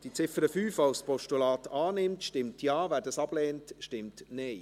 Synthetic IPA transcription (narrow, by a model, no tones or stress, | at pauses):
d̥it͡sɪfəɾəfyːfaʊspɔʃtulɑːtɑːnɪmtʃtɪmtjɑːvæːɾdɑsɑb̥lɛːntʃtɪmtnɛɪ